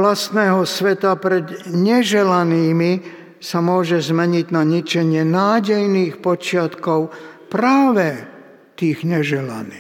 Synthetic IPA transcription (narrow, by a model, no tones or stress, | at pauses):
last̪nɛːɦɔsʋɛt̪apɾɛd̪ɲɛʒɛlaniːmi | samʊɔʒɛzmɛɲiɟnaɲit͡ʃɛɲɪɛnaːɟɛjniːxpɔt͡ʃɪat̪kɔʊpɾaːʋɛ | t̪iːɣɲɛʒɛla̰niːx